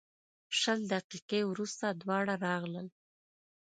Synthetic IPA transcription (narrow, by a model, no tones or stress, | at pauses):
ʃəld̪aqiqewɾust̪ad̪wɑɽaɾɑɣləl